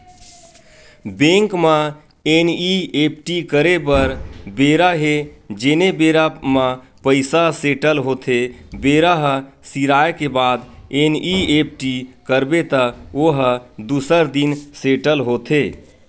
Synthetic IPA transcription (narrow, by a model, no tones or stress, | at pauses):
bẽŋkma | eniep̚ʈikəɾepəɾbeɾaɦed͡ʒenebeɾama | pəɪsaseʈəlɦot̪ʰebeɾaɦsiɾaekebad̪eniep̚ʈikəɾbet̪əoɦd̪usəɾd̪inseʈəlɦot̪ʰe